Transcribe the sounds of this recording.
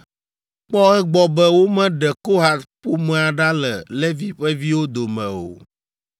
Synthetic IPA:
k͡pɔ˦ɣɛ˦ɡ͡bɔ˨bɛ˦wo˦mɛ̃˦ɖɛ˨ko˦ɦa˨t̪po˦mɛ̃˨a˨ɖa˦lɛ˨le˦vi˦ɸɛ˦vi˦wo˦d̪o˨mɛ̰̃˨o̰˨

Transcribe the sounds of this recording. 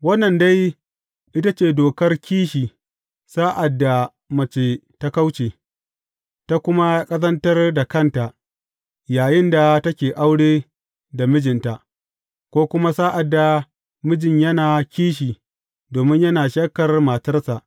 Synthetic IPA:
wɐ˦nːɐ˨nda˦j | ʔɪ˦ta˦t͡ʃeː˨doː˨kɐ˦rkʲiː˦ʃiː˨ | saː˦ʔa˨dːa˨ | mɐ˨t͡ʃeː˨ta˦ka˦wt͡ʃeː˨ | ta˦kʷʊ˦ma˦kʼɐ˦sɐ˦ntɐ˦rda˨kɐ˦˨nta˨ʔ | jaː˨jɪ˦nda˨tɐ˦kʲeː˨ʔa˦wɽeː˦ | da˨mɪ˦d͡ʒɪ˨nta˨ʔ | kʷoː˦kʷʊ˦ma˦saː˦ʔa˨dːa˨ | mɪ˦d͡ʒɪ˨ɲjɐ˦naː˨kʲiː˦ʃ̬iː˨ | doː˨mɪ˦ɲjɐ˦naː˨ʃɐ˦kɐ˨rmaː˨tɐ˦rsa˨ʔ

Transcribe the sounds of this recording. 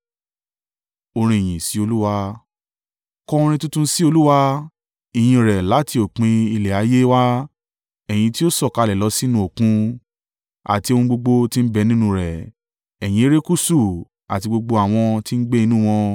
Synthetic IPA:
o˧ɾ̃ĩ˧i˨j̃ĩ˨si˨˦o˧lu˦wa˧ | kɔ̃˧ɾ̃ĩ˧tũ˦tũ˦si˦o˧lu˦wa˦ | i˨j̃ĩ˧ɾɛ˨la˨˦ti˧o˨k͡pĩ˧i˧lɛ˨a˨˦je˦wa˦ | ɛ˨j̃ĩ˧ti˦o˦sɔ˦˨ka˧lɛ˨lɔ˨˧˦si˦nũ˧˦o˨kũ˦ | a̰˨ti˧o˧ũ˧ɡ͡bo˧ɡ͡bo˧ti˦n̩˦bɛ˨˧˦nĩ˦nũ˧ɾɛ˨ | ɛ˨j̃ĩ˧˦e˦ɾe˦ku˦su˦˨ | a̰˨ti˧ɡ͡bo˧ɡ͡bo˧a˨w̃ɔ̃˧ti˦n̩˦ɡ͡be˦i˧nũ˦˨w̃ɔ̃˧

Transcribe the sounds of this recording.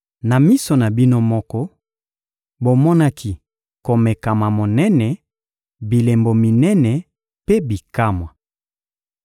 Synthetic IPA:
na˨mi˦so˨na˨bi˦no˦mɔ˦kɔ˦ | bo˨mɔ˦na˦kʰi˨ | ko˨me˨ka˨ma˨mo˨nɛ˦nɛ˨ | bi˨le˨mbo˨mi˨nɛ˦nɛ˨ | pe˦bi˨ka˦mwa˨

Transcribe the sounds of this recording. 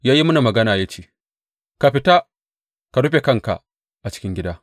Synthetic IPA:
jaː˦ji˦mʊ˦na˨mɐ˨ɡɐ˦naː˨ja˦t͡ʃeː˦˨ | ka˨ɸɪ˨ta˦ | ka˨ɽu˦ɸe˨kɐ˦ŋka̰˨ | ʔa˨t͡ʃɪ̥˦kʲɪ˦ŋɡʲɪ˦daː˦

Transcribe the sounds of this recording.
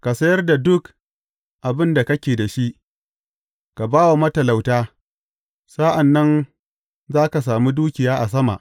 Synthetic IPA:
ka˨sɐ˦jɐ˦rda˨dʊ˦k | ʔa˨bɪ˦nda˨kɐ˦kʲeː˨da˨ʃi˦ʔ | ka˨baː˦wa˨mɐ˦tɐ˨la˨wtaː˦ | sa˦ʔa˨nːɐ˦n | zaː˦ka˨s̬aː˨muː˦duː˦kʲɪ˨jaː˦ʔa˨s̬ɐ˦ma̰˨ʔ

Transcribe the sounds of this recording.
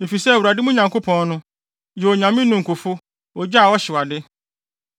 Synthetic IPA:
me˨fi˨sɛ˦˨wu˨ɾa˨dɪ˦mũ˦ɲã˨ŋkʰo˦pʰɔ̃˨nnʊ̃˦ | jɛ˨ɔ˨ɲã˨mĩ˦nʊ̃˨ŋ̩˨kʰʊ˨fʊ˦ | wɔ˨d͡ʑa˦a˨wɔ˦ɕɪ˨wa˨dɪ˦

